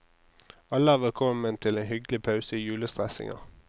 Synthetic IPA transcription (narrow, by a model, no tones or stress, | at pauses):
ɑləɑːʋəkʰɔmənt̪ʰɪleːnhʏɡlɪpʰɑʉsəiːjʉːləst̪ʁɛsɪ̰ŋɑ̰ʁ